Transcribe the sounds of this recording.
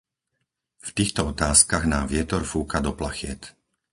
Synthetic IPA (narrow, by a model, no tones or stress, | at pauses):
ft̪iːxt̪ɔɔt̪aːskaɣnaːʋɪɛt̪ɔɾfuːkad̪ɔpla̰xɪɛt̪